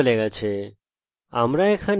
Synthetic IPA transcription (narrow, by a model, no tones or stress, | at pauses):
leɡat͡ʃʰe | a̰mɾaekʰan